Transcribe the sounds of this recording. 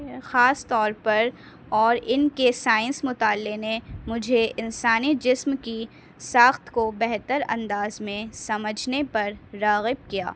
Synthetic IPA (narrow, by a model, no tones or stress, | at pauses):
xaːst̪ɔːɾpɐɾ | ɔːɾɪnkesaːɪ̃nsmʊt̪aːlːenemʊd͡ʒʱeʔɪnsaːnid͡ʒɪsmki | saːxt̪kobɛɦt̪əɾɐ̰̃nd̪aːzmẽsɐməd͡ʒʱnepɐɾːaːɣɪb̚kija̰ː